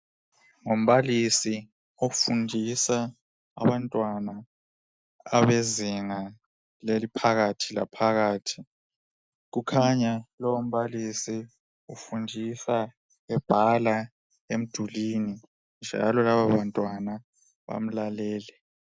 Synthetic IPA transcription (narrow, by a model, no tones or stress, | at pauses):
ŋom̩βalisi | ofundʱisa | a̰βantʼwana | βeziŋa | lelipʰaɣatʰila̰pʰaɣaːtʰi̥ | ɣukʰaɲalɔwom̩βalisi | ufundʱisa | ɛb̥ʱala | em̩d̥ʱulini | nd͡ʒʱa̰lɔlaβaβantʼwana | βa̰m̩lalɛːlɛ